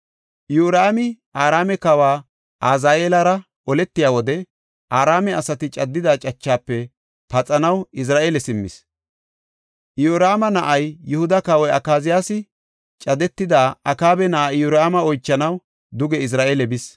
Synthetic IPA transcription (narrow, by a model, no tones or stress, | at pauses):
juːɾaːmɪ | aːɾaːmɛkɐwaː | ʔaːzaːeːlɐɾɐ | ɔlɛt̪ːɪjaːwɔd̪ɛ | ʔaːɾaːmɛɐsɐt̪ɪt͡ʃʼɐd̪ːɪd̪aːt͡ʃʼɐt͡ʃːaːpːɛ | pɐt͡sʼɐnɐwɪs̬ɾaːʔeːlɛsɪmːɪ̰s | juɾaːmɐnɐʔɐjːʊhʊd̪ɐkɐwɔjɐkaːzɪjaːsɪ | t͡ʃʼɐd̪ɛt̪ːɪd̪aːɐkaːbɛnɐʔajʊɾaːmɐɔjt͡ʃːɐnɐw | d̪ʊɡɛɪs̬ɾaːʔeːlɛbɪs